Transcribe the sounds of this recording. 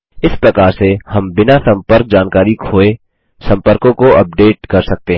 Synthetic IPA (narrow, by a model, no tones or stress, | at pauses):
ɪspɾɐkaːɾsehɐmbɪnasɐ̃mpəɾk̚d͡ʒaːnkaːɾikʰoːe | sɐ̃mpəɾkõkoʔɐp̚ɖeːʈ̚kɐɾsɐk̚t̪eɦ